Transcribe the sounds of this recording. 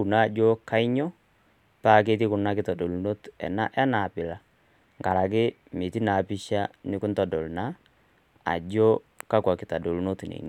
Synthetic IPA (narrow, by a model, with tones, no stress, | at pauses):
u˨na˦˨d͡ʒo˦ka˦ɪ˦ɲɔ˦ | pa˦˨k̬e˦t̬i˦kʊ˨na˦kɪ˦tɔ˨do˨lu˨no˦tɛ̰˨na̰˦ʔɛ˦na˨pɪ˨la˨ | ŋɡa˨ɾa˨k̬ɪ˦ | mi˨ti˦na˨pɪ˦ʃa˦nɪ˦kʊ˦ntɔ˨dɔ˨lna˦ | a̰˨d͡ʒo˦ | ka˦kwa˨kɪ˨ta˨do˨lno˦tnḛ˨ŋ